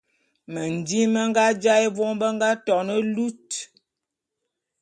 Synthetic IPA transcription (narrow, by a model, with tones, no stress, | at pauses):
mə˨n˨di˦mə˦ŋ˦ɡa˦d͡ʒa˦e˦vɔ˦ŋbə˦ŋɡa˦tɔ˨nə˦lu˦t